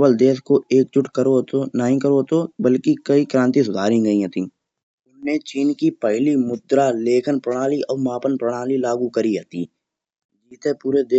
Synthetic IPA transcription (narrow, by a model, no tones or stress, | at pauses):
bəld̪eːskoeːk̚t͡ʃʊʈkəɾot̪onəɦĩkəɾot̪obəlkikɐikɾãːnt̪̬is̬ʊd̪ʱaːɾĩɡəĩɦɛt̪ĩː | ʊnmẽt͡ʃiːnkipəɦɪlimʊd̪ɾaleːkʰənpɾəɽ̃aːliɔːɾmaːpənpɾəɽ̃aːlilaːɡukəɾiɦɛt̪ḭː | d͡ʒiːt̪epuːɾed̪eː